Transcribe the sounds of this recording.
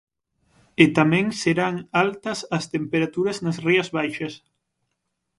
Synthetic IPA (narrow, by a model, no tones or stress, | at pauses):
et̪amɛ̃ŋseɾaŋalt̪ɐsɐst̪empeɾat̪uɾɐznɐsriɐzβajʃɐs